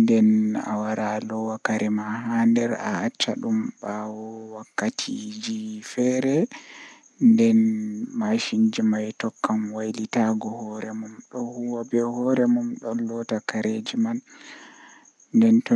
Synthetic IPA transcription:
ndɛna̰waɾʔalɔwakaɾʔɛmaɦandɛɾa̰at͡ʃːa̰ɗumbawɔwakːatʰid͡ʒifɛɾɛ | ndɛnmaʃind͡ʒimajtɔkːamwajlitaɡɔhɔɾɛmumɗɔhuwabɛhɔɾɛmumɗɔlɔtakaɾed͡ʒiman | ndɛntɔ

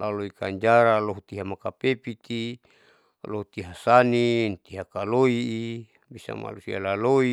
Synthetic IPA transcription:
laloikaɲd͡ʒaɾaloɦut̪iɦamakapepit̪i | loɦut̪iɦasanint̪iɦakaloiː | bisa̰ma̰lusia̰laloi

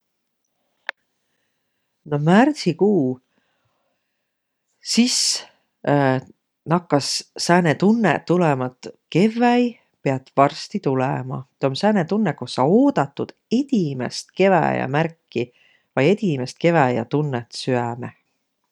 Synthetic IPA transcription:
nomært̪sikuː | sis | nɑkːɑsːæːnet̪unːḛt̪ːulɛmɑt̪ke̞vːæj | pe̞ɑt̪vɑrst̪it̪ulɛ̰mɑ̰t̪omsæːnet̪unːekosːɑo̞ːd̪̥ɑt̪ːˑud̪̥e̞d̪̥imḛst̪ke̞væ̰jɑ̰mærkˑːi | vɑje̞d̪̥ʲimest̪ke̞væjɑ̰t̪unːet̪syæme

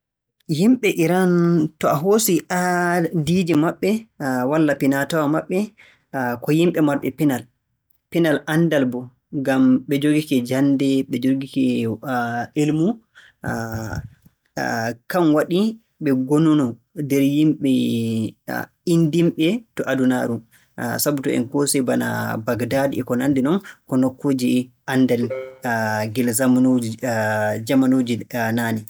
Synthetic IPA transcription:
jimɓɛʔiɾantɔaɦosiʔadid͡ʒɛmaɓːɛwalːapinatawamaɓːɛ | kɔjimɓɛmaɾɓɛ̰pinal | pinalʔandalbɔ | ŋɡamɓɛd͡ʒoɡikɛd͡ʒandɛɓɛd͡ʒoɡikɛ | elmu | kanwaɗi | ɓɛɡonunɔ | dɛɾjimɓɛ | indimɓɛtɔʔaduna̰ɾu | sabutɔ̰ɛ̰nkɔsɛjbana̰baɡdadɛkɔnandinɔnkɔnokʰːod͡ʒiʔandɛl | ɡɛlzamnd͡ʒ | d͡ʒamanod͡ʒinaːnɛ

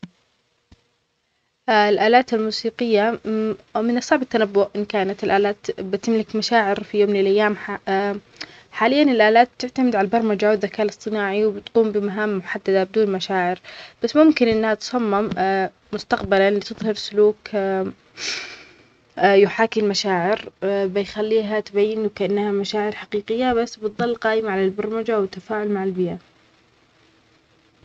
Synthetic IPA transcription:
ʔlʔaːlaːt̪almuːsiːqɪjːa | mɪnɨsˤːɑʕbat̪ːanabːʊʔʔɪnkaːnat̪ɪlʔaːlaːt̪bɪt̪ɪmlɪkmaʃaːʕɪɾfijoːmlɪlʔajːaːm | ħaːlɪjːanɪlʔaːlaːt̪̚b̚t̪ɪʕt̪amɪd̪ʕalabɑɾˤmad͡ʒawɪd̪ðːakaːʔlɨsˤt̪ˤɨnaːʕiwbɪt̪quːmbɪmaɦaːmːʊħad̪ːad̪abɪd̪uːnmaʃaːʕɪɾb̥asːmʊmkɪnʔɪnːhat̪sˤɑmːɪmː | ʊst̪aqbalalit̪ɨðˤhɑɾsʊluːk | jʊħaːkɪmmaʃaːʕɪɾbɪjxalːiːɦat̪bajːɪnwkaʔanːhamaʃaːʕɪɾħaqiːqɪjːabasːbɨt̪ðˤɑlːqɑːʔɪmaʕalalbɑɾˤmad͡ʒawɪt̪ːafaːʕʊlmaʕalbɪja

